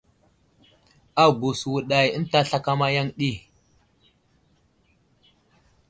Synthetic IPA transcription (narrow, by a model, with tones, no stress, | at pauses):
a˨ɡu˨swu˨ɗa˨jə˦n˦ta˦ɬa˦ka˦ma˦ja˦ŋɗi˦˨